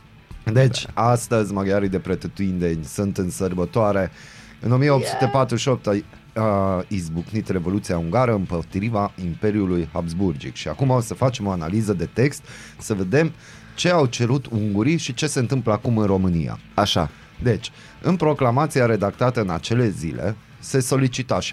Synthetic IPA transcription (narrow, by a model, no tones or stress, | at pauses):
d̪e̞t͡ʃʲast̪əzʲmaɡaɾid̪e̞pɾet̪ət̪uind̪enʲsunt̪ɨnsərbət̪oaɾe̞ | ɨno̞mijeopt̪su̥t̪e̞pat̪ɾuʃiop̚t̪a | aizbuknit̪re̞vo̞lut̪siauŋɡaɾəɨmpot̪ɾivaimpe̞ɾjulujhabzburd͡ʒḭkʃia̰kumasəfat͡ʃe̞mo̞analizəd̪e̞t̪e̞kst̪səve̞d̪e̞m | t͡ʃe̞awt͡ʃe̞ɾut̪uŋɡuɾiʃit͡ʃe̞se̞ɨnt̪ɨmpləakumɨnro̞mɨnija̰aʃa̰ | d̪e̞t͡ʃʲ | ɨnpɾo̞klamat̪siaɾe̞d̪ak̚t̪at̪əɨna̰t͡ʃe̞le̞zilʔe̞̰ | se̞so̞lit͡ʃit̪aʃ